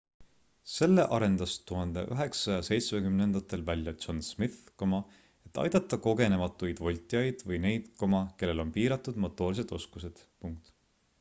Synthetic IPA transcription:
se̞lːeʔɑɾe̞nd̪̥ɑst̪uɦɑnd̪̥ḛʔyɦe̞ksɑjɑse̞jt̪smekymne̞nd̪̥ɑt̪ːˑe̞lvælʲjɑ̥t͡ʃonsmiθkomɑ | e̞t̪ːˑɑ̰jd̪̥ɑt̪ˑːɑko̞ɡe̞ne̞mɑt̪ːˑujd̪̥vo̞lʲt̪ʲˑijɑjd̪̥vɯjne̞jd̪̥ko̞mɑke̞lːe̞lo̞npiːɾɑt̪ːˑud̪̥mot̪ːˑo̞ːls̬e̞d̪̥o̞skus̬e̞d̪̥puŋk̚t̪

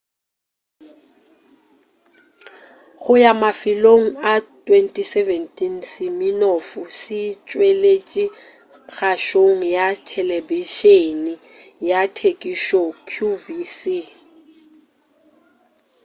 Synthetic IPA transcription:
ɣʊjamafɪloŋ̩atʼwentʼisɛvɛntʼinsɪmɪnofusɪt͡ʃʼwelet͡ʃʼi | ɣʰaʃoŋ̩jatʰɛlɛbiʃeni | jatʰekʼiʃɔkʰjuvisi

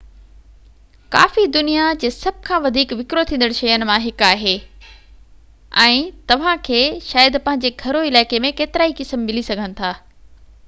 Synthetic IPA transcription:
ka̰ːfid̪ʊnijad͡ʑeːsɐb̚ʱkʰãːʋɐd̪ʱiːkʋɪkɾot̪ʰĩːnd̪əɽʃɐjənɪ̆mãɦɪkaːɦeː | ɛ̃ːt̪ɐʋ̤ãkʰeːʃaːjəd̪pɐ̃ɦɪ̃ɲ̆d͡ʑeːɡʱɐɾoɪlaːɪkemẽkeːt̪ɪɾaːikɪsəmmɪlisɐɡʱənɪ̆t̪ʰaː

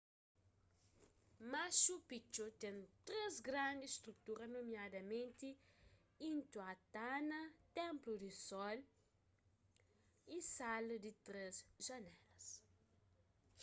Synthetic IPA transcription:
maʃupit͡ʃot̪ẽnt̪ɾezɡɾãnd̪isst̪ɾukt̪uɾɐnomjad̪ɐmẽnt̪i | ĩnt̪uat̪anɐt̪ɛ̃mplud̪isɔl | isald̪it̪ɾezʒɐnɛlɐs

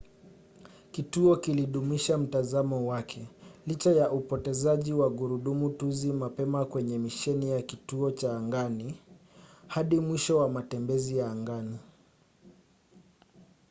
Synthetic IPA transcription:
kituɔkiliɗumiʃam̩tazamɔwakʰɛlit͡ʃajaʔupɔtɛzaʄiwaɡuɾuɗumutuzimapɛmakwɛɲɛmiʃɛnijakituɔt͡ʃaːŋɡani | haɗimwiʃɔwamatɛmbɛzijaːŋɡani

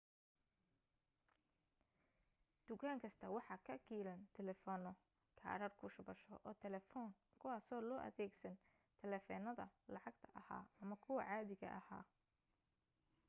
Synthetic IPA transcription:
d̪̥ʊkʰaːŋkʰɐst̪ʰɐwɑħɑːkʰɐkiːlɐnt̪ʰɛlɛfɔːnɔ | kʰa̰ːɾɐrkʰʊʃʊbɐʃɔʔɔːt̪ʰɛlɛfɔːn | kʰʊwɑːsɔːlɔːʔɐ̰ðɛːɡsɐn | t̪ʰɛlɛfɔːnɐðɐ̰lɑʕɑɡt̪ʰɐʔɐha̰ːɐmɐkʰʊwɐʕɑːðɪɣɐ̰ʔɐha̰ː

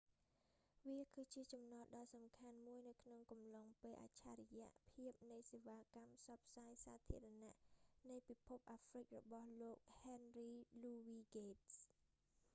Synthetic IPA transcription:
ʋiəkɨːt͡ɕiət͡ɕɑmnɑlɗɑlsɑmkʰanmuəjnɨwkʰnoŋkɑmloŋpeːlʔa̰ːt͡ɕʰa̰ːɾɛjɛ̆əʔpʰiəp̚nɨjseːʋaːkampʰsɑp̚ʰsaːjsaːt̪ʰḭəɾɑna̰ʔnɨjpipʰup̚ʔaːfrɨk̚rɔɓɑhloːk̚hɛnriːluːʋiːɡeːt̚s

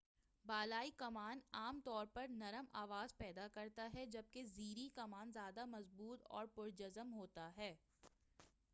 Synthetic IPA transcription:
baːlaːikɐmaːnaːmt̪ɔːɾpɐɾnɐɾəmaːʋaːzpɛːd̪akɐɾt̪aɦɛd͡ʒɐb̚keziːɾikɐmaːnzjaːd̪amɐzbuːt̪ɔ̰ːɾpʊɾd͡ʒɐzəmɦoːt̪aɦɛː

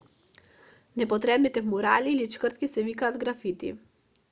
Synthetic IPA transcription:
nɛpɔt̪ɾɛbnit̪ɛmuɾaliːlit͡ʃkəɾt̪̚kisɛvikaːd̪ɡɾafit̪ḭ

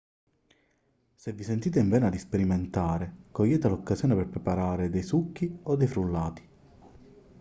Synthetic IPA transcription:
sevːisent̪iːt̪̬eiɱvɛːnad̪ispeɾiment̪aːɾekɔjːɛːt̪elɔkːazjɔːneperpɾepaɾaːɾed̪ejsukːiɔd̪ːejfɾulːaːt̪i̥

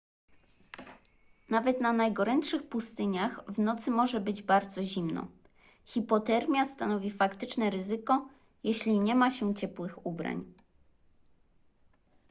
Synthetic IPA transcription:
navɛt̪nanajɡɔɾɛntʂɘxpust̪ɘɲaxvnɔt̪sɘmɔʐɛbɘd͡ʑbaɾd̪zɔʑimnɔ̰ | xʲipɔt̪ɛɾmʲjast̪anɔvʲifakt̪ɘt͡ʂnɛɾɘzɘkɔ | jɛɕlʲiɲɛmaɕɛt͡ɕɛpwɘxubɾa̰ɲ

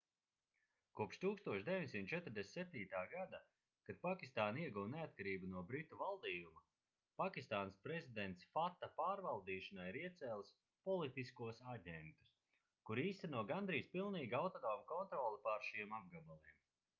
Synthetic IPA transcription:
kuɔpʃt̪uːkst̪uɔʃd̪evʲiɲsimt̪t͡ʃɛt̪ɾd̪essɛp̚t̪iːt̪aːɡad̪a | kad̪̥̚pakʲist̪aːniɛɡuwneat̪̚kaɾiːbanuɔbɾit̪uvalˠd̪iːjuma | pakʲist̪aːnspɾezid̪ent̪sfat̪ːapaːɾvalˠd̪iːʃɐnajiɾiɛt̪sɛːlˠs | pɔlˠit̪iskuɔsaɟɛnt̪u̥s | kuɾiːst̪ɛnuɔɡand̪ɾijspilˠniːɡawt̪ɔd̪ɔːmkɔnt̪ɾɔːlˠipaɾʃimab̚ɡabalˠiːɛm

